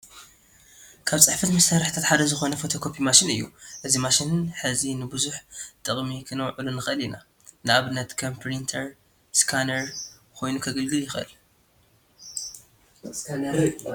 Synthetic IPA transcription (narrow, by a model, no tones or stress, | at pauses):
kʰaβt͡sʼɨħfɐt̪mɐsaɾɨħɨt̪ʰat̪ħad̪ɐzɨxo̞nɐfo̞t̪ʰo̞kʰo̞pʰimaʃɪnɨ̰jːṵʔɨzimaʃɪnɨnħɨzinɨbɨzuħt̪ʼɨχʼmikʰɨnɐwʕɨlunɨxʔɨlina̰ | nɨaβɨnːɐt̪kʰɐmpʰɾint̪ʰɐɾ | skʰanɐɾ | kʰo̞jnukʰɐɡɨlɡɨljɪxʔɨ̰l